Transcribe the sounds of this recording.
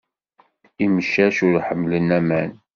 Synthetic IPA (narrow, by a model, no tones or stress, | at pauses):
iməʃːæʃʊɾħəmːlənæmæn